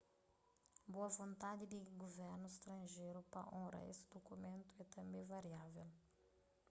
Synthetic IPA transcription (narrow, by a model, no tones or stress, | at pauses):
boɐvõnt̪ad̪ɪd̪ɪɡovɛɾnʊɪst̪ɾɐ̃ʒejɾʊpɐ̰ʔõɾɐ̰ḛsɪ̥d̪okumẽnt̪ʊɛt̪ɐ̃mbẽj̃vaɾiavel